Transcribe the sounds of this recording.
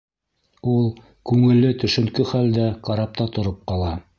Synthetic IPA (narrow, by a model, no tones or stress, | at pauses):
ulˠ | kʉŋɘ̆lːɘt̪ɵ̆ʃɵ̆ŋkɵχæld̪æqɑɾɑp̚t̪ɑt̪ŏɾɤp̚qɑlˠɑ